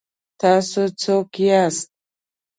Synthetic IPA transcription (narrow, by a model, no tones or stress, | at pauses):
t̪ɑsot͡sokijast̪̚